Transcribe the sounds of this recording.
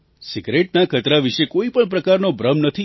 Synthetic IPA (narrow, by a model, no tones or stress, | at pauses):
siɡɾeʈnakʰət̪ɾaʋiʃekoipəɳp̬ɾəkaɾnobɾəmnət̪ʰi